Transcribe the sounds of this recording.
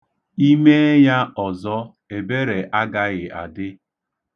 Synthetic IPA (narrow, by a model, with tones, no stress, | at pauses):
i˦me˦ja˦ɔ˨zɔ˦ | e˨be˦ɾe˨ʔa˦ɡa˦ɣɪ˨ʔa̰˨dɪ˦